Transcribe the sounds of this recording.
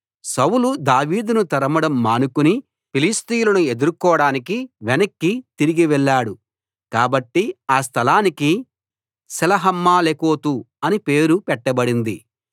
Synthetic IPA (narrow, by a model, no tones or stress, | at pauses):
sɐwlud̪aːʋiːd̪unut̪ɐɾɐmɐɽɐmːaːnukuni | pilist̪ijlɐnue̞d̪uɾkɔːɽaːnik̬iʋɛnɐkːit̪iɾiɡiʋɛɭːaːɽu | kaːbɐʈːiaːst̪ʰɐlaːniki | sɛlɐɦɐmːaːlekoːt̪u | ɐnipe̞ːɾupɛʈːɐbɐɽind̪ḭ